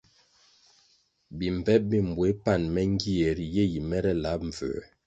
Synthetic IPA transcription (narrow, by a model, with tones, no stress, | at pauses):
bi˨m˨vɛ˦p̚bi˦˨m˨bwe˨˦pa˦˨nmɛ˦ŋ˦ɡi˦ɛ˨ɾje˦˨ji˨mɛ˦ɾɛ˦la˨˦p̚ɱ̩˨və̰ː˨